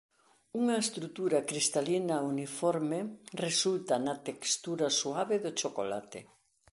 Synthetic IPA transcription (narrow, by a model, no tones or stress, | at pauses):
uŋaest̪ɾut̪uɾakɾist̪alinaunifɔɾmeresult̪ɐnat̪ekst̪uɾasuaβeðot͡ʃoko̰la̰t̪ḛ